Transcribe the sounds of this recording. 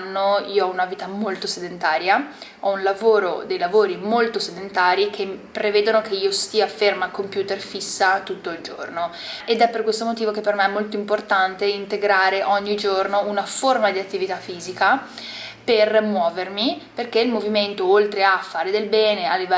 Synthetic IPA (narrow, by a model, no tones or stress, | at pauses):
nːoiːoɔunaviːt̪amolt̪osed̪ent̪aːɾjaɔunlavoːɾo̰d̪ejlavoːɾimolt̪osed̪ent̪aːɾik̟ʰempɾevɛːd̪onok̟eiːost̪iːafermakompjuːt̪erfisːat̪ut̪ːoild͡ʒo̰rno | ed̪ɛpːerkwest̪omot̪iːvokepːermeɛmːolt̪oimport̪ant̪eint̪eɡɾaːɾeʔɔɲːid͡ʒornounaformad̪iat̪ːivit̪afːiːzika | permwɔːvermiperkeilmoviment̪oolt̪ɾeafːaːɾed̪elbɛːnealːivɛ